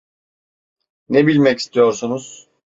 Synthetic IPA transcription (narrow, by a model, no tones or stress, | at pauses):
nebilʲmɛci̥st̪ʰijo̞ɾsunuz̥